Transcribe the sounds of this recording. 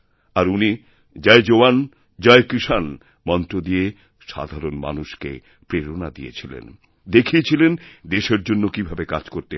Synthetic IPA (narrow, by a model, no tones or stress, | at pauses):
aɾuni | d͡ʑaed͡ʑowan | d͡ʑɔekɾiʃan | mɔnt̪ɾod̪ie | ʃa̰d̪ʱaɾonma̰nuʃkḛ | pɾeɾonad̪ijḛt͡ɕʰilḛn | d̪ekʰiet͡ɕʰilend̪eʃeɾd͡ʑonːokibʱabekad͡ʑkoɾt̪e